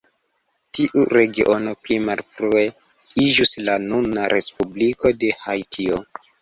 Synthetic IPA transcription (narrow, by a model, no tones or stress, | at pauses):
tiʔuɾe̞ɡiʔo̞noplimalfɾue̞ | id͡ʒuslanunaɾʔe̞spubliko̞de̞hajtʰio